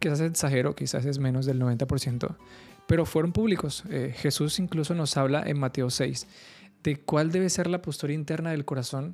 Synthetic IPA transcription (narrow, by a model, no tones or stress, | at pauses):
kisas̬essaxe̞ɾo̞kisa̰s̬e̞zmẽ̞no̞zðelnoβe̞nt̪apo̞ɾsje̞nt̪o̞̰ | pe̞ɾo̞fwe̞ɾompuβliko̞sexe̞susiŋkluso̞no̞saβla̰ʔḛnmat̪e̞ose̞js | d̪̥e̞kwald̪e̞βe̞se̞ɾlapost̪uɾaint̪e̞ɾnaðe̞lko̞ɾaso̞n